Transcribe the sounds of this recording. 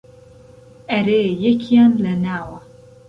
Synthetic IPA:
ɐɾejɛkʰijanlɐnaːwɐ

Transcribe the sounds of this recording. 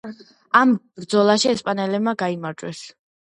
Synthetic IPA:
amb̥ɾd̪zɔlˠaʃiɛspʼanɛlɛbmaɡaimaɾd͡ʒʼwɛs

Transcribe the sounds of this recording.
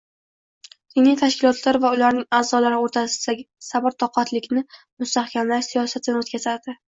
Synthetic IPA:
d̪̥inlijt̪ʰaʃkʲɪlɒt̪ʰlaɾvaʊlaɾnɪŋaːzɒlaɾɪoɾt̪ʰasɪd̪aɡʲɪsabɪɾt̪ʰɒqʰɑt̪ʰlɪkʲnɪ | mʊst̪ahkʲʰamlaɾsijɒsat̪ʰɪnot̪̚kʰʲazaɾd̪̥ɪ

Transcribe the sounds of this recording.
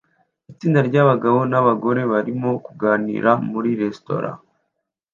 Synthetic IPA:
it͡siːndaɾɟaβaɡaβo̞naβaɡo̞ɾe̞βaɾimo̞kuɡaːnḭːɾamuɾiɾe̞sto̞̰ɾa̰

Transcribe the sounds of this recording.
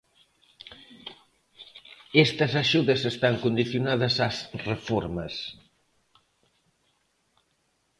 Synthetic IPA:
ɛst̪əzaʃuðəsest̪aŋkund̪iθjunaðəzazrefoɾməs

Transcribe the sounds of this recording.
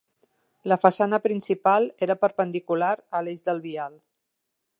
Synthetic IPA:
ləfəsanəpɾinsipalˠeɾəpəɾpənd̪ikulaɾəlezðəlˠβialˠ

